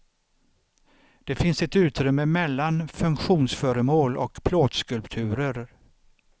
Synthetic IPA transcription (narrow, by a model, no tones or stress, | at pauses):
d̪̥ɛfɪnsɛt̪ʉ̟ːt̪ɾʏmːəmɛlːanfɵŋkɧuːnsfœːɾəmoːlɔ̰kpʰloːd̪skɵlpt̪ʰʉ̟ːɾəɾ